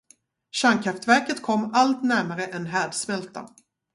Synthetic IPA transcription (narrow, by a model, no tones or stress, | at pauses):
ɕaŋkʰɾaft̪væɾkət̪kʰɔmːalt̪næɾmaɾəʔɛnɦæːɖsmɛlt̪a̰